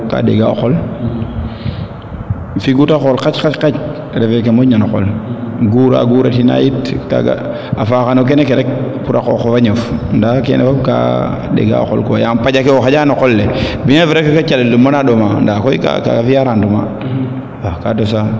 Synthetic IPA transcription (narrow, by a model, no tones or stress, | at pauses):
ka̰ɗḛɡao̰kol | fiɡutakolkat͡ʃkat͡ʃkat͡ʃ | ɾefek̬emoɲanokɔ̰lɡuɾa̰ɡuɾatina̰jitka̰ɡa̰ | afakanok̬enekeɾek̚puɾako̰kofaɲofndakḛnḛfabka̰ | dḛɡa̰o̰ko̰lkoa̰jampad͡ʒakeoxad͡ʒanɔkolːebiɲaviɾekekat͡ʃaledumːanaɗomandakoika̰ka̰ɡafijaɾanduma̰ | akatosa